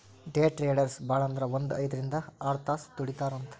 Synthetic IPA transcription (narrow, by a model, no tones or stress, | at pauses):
ɖeːʈɾeːɖɐɾsbaːɭɐnd̪ɐɾɐʋond̪uɐjd̪ɐɾind̪ɐaːɾt̪aːst̪uɽit̪aːɾɐnt̪ɐ̥